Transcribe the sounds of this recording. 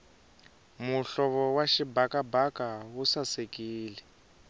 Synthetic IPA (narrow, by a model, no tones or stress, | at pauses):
muɬɔβɔwaʃibakabakawusasekiːlɛ